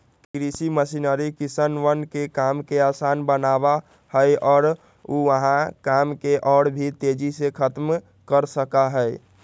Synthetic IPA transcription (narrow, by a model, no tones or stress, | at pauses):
k̪ɾisiməsinəɾikisənʋənkekamkeasaːnbənaba | həeɔːɾ | uʋəɦãkamkeʔɔːɽbʱit̪ed͡ʒisekʰət̪m | kəɾsəkaɦɛe